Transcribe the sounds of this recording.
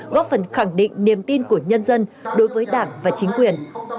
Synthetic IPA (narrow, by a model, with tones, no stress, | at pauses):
ɣɔ˦˥p̚fə˨˩nxa˧˩ŋɗḭ˧˨ŋ̟ni˨˩əmt̪i˧nku˧˩əɲə˧nzə˧nɗo˨˦jvəː˨˦jɗaː˧˩ŋvaː˨˩t͡ɕï˨˦ŋ̟kwi˨˩ən